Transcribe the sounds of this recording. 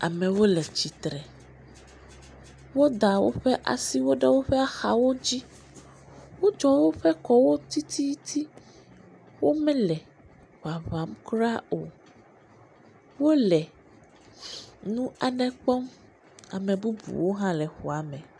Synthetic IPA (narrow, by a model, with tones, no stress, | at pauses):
a̰˨mɛ̃˨wo˦lɛ˨t͡ɕi˨t̪ɾɛ˨ | wo˦d̪a˨wo̰˦ɸɛ˦ʔa̰˨si˦wo˦ɖɛ˦wo˦ɸɛ˦a˦xa˨wo˦d͡ʑi˦ | wo˦d͡ʒɔ˦wo˦ɸɛ˦kɔ˦wo˦t̪i˦t̪ʰi˦t̪ʰi˦ | wo˦mɛ̃˦lɛ˨ | ɸa˨va˨˦mkɾa˦o˨ | wo˦lɛ˨ | nũ˦a˨nɛ̃˦k͡pɔ˦m | a̰˨mɛ̃˨bu˦bṵ˨wo˦ɦã˦lɛ˨xu˨a˨mɛ̃˨